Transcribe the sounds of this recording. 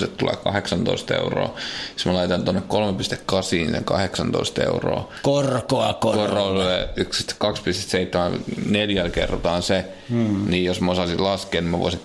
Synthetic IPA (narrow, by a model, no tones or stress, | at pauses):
t̪et̪t̪ulḛːkɑ̰heksɑnt̪o̰ist̪ḛuro̰ːi̥smælɑit̪ɑnt̪onːekkolmepist̪ekkɑsiːnsḛŋkɑ̰heksɑnt̪o̰ist̪ḛuro̰ː | korkoɑkokoroleykspi̥st̪ːe̥kkɑkspist̪e̥t̪seit̪ːemælneljælkḛrːt̪ɑːnse | niːjjosmæosɑsillɑskeːnimæʋo̰isiŋ